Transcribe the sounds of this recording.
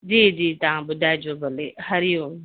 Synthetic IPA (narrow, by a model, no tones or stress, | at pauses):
d͡ʒiːd͡ʒiːt̪ãːbʊd̪aːjd͡ʒoːbəlehəɾioː